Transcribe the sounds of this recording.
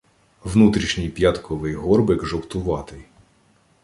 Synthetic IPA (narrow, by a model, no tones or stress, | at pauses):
ʋnut̪ɾʲiʃnʲijpjat̪kɔʋɪjɦɔrbɪkʒɔwt̪ʊʋɑt̪ɪj